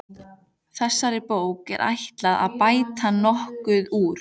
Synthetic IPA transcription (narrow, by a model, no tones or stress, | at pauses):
θɛsːaɾɪpoːwkɛ̰ɾʔa̰jht̪laða̰ðpaːjt̪ʰanɔhkʏðuːɾ̥